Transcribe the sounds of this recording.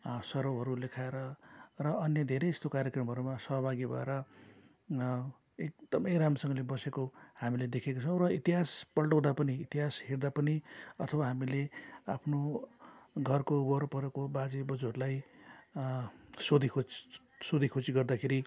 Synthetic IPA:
sʌɾowɦʌɾulekʰaeɾʌrʌːnjʌd̪ʱeɾeest̪okaɾjʌkrʌmɦʌɾumasʌɦbʱaɡibʱʌ̰ḛɾʌ | ek̚d̪̥ʌmʌjɾamʌsʌŋɡʌlebʌsekohamiled̪ekʰekot͡sʰʌ̃w̃ɾʌit̪iɦaspʌlʈʌw̃d̪apʌniit̪iɦasɦeɾd̪apʌniʌt̪ʰʌwaɦamileapʰno | ɡʱʌrkobʌɾpʌɾekobad͡zibʌd͡zuɦʌɾulaj | sod̪ʱikʰot͡s | sod̪ʱikʰot͡siɡʌrd̪akʰeɾi

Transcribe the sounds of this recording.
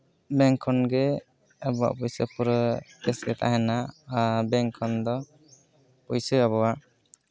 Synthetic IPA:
bɛŋkʰɔnɡɛ | əbɔwa̰ʔpujsəpʰuɾkɛsɡɛt̪ʰa̰ɦɛnaʔbɛŋkʰɔnd̪ɔ | pujsəabɔwaʔ

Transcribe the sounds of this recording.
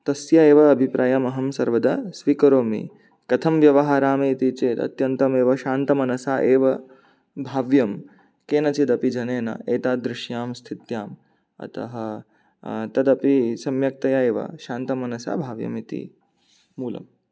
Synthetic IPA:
t̪ɐsjaeːʋɐːbʱipɾʔaːjɐmɐɦɐmsɐɾʋɐd̪ɐsʋikɐɾoːmḭ | kɐt̪ʰɐmʋjɐʋɐɦaːɾaːmiit̪it͡ʃeːt̪ɐ̰t̪jɐnt̪ɐmeːʋɐʃaːnt̪ɐmɐnɐsaːʔeːʋɐ | bʱaːʋjɐm | keːnɐt͡ʃid̪ɐpid͡ʒɐneːnɐ̰eːt̪aːd̪ɾɪʃjaːmst̪ʰit̪jaːm | ɐ̰t̪ɐ̰ɦɐ | t̪ɐd̪ɐpisɐmjɐk̚t̪ɐjaeːʋɐ̰ʃaːnt̪ɐmɐnɐsa̰ːbʱaːʋjɐ̰mit̪ḭ | muːlɐ̰m

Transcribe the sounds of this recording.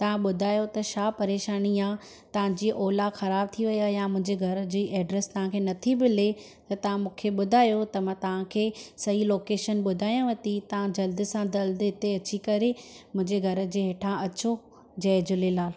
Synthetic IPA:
t̪ɐʋ̤ãɓʊd̪ʱaːjot̪ɐʃaːpɐɾeːʃaːniaː | t̪ɐʋ̤ãd͡ʑiːʔoːlaxɐɾaːb̚t̪ʰiʋɐjaːjãmʊ̃ɦɪ̃ɲd͡ʑeɡʱɐɾ̆d͡ʑiːʔɛːɖɾɛst̪ɐʋ̤ãkʰeːnɐt̪ʰibɪle | t̪ɐt̪ɐʋ̤ãmũːkʰeɓʊd̪ʱaːjot̪ɐmãt̪ɐʋ̤ãkʰeːsɐɦiloːkeːʃənɓʊd̪ʱaːjãʋɐt̪it̪ɐʋ̤ãd͡ʑɐld̪ɪ̆sãd̪ɐld̪ɦɪt̪eɐt͡ɕikɐɾemʊ̃ɦɪ̃ɲd͡ʑeɡʱɐɾə̆d͡ʑeːɦeːʈʰãʔɐt͡ɕo | d͡ʑɐːd͡ʑʊlelaːl

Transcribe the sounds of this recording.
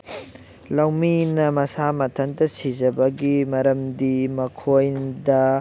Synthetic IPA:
lɐwminɐmɐsamɐtʰɐntɐsid͡ʒɐbɐɡimɐɾɐmdimɐkʰojdɐ

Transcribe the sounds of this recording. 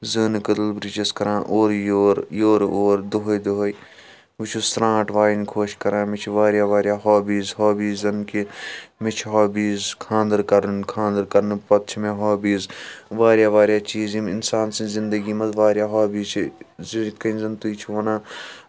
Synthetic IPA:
zɨnkəd̪əlbɾit͡ʃɐskɐɾãːʔoːɾjoːɾjoːɾoːɾd̪oɦoid̪oɦoi | ʋut͡ʃʰust̪ɾãːʈʋaːjinkʰoːʃkɐɾãːmɪt͡ʃʰiʋaːɾjaːʋaːɾjaːɦaːbiːzɦaːbiːzɐnkimɪt͡ʃʰɦaːbiːzkʰãːnd̪əɾkɐɾənkʰãːnd̪əɾkɐɾnpɐt̪̚t͡ʃʰmẽɦaːbiːzʋaːɾjaːʋaːɾjaːt͡ʃiːzimɪnsaːnsĩzɪnd̪əɡiːmɐt̪ʋaːɾjaːɦaːbiːt͡ʃʰzikɐinzɐnt̪uit͡ʃʰiʋɐnãː

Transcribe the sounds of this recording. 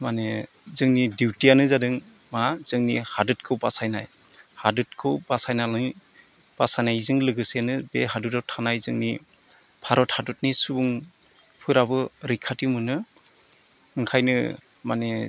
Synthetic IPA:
mane | zɯŋnidiwtianɯzadɯŋ | mazɯŋnihadɯt̚kʰɯwbasajnaj | hadɯt̚kʰɯwbasajnalɯ | b̥asajnajzɯŋlɯɡɯsenɯbeɦadudɔtʰanajzɯŋni | pʰaɾɔthadut̚nisubuŋ | pʰɯɾabɯɾikʰatimɯnɯ | ɯŋkʰajnɯ̰ | mane

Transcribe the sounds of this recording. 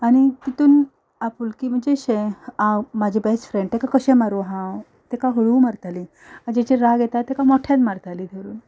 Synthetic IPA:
aɽ̃it̪it̪uːn | apuːlkiːm̤əɳd͡ʑeɕeãmad͡ʑʱebɛsfɾẽɳɖ̚t̪ekakəɕẽmaɾuɦã | t̪ekaɦoɭuːmaɾt̪ali | ad͡ʑet͡ɕeɾaɡjɛt̪at̪ːekamɔʈʰjad̪maɾt̪alid̪ʰʱeɾuːn

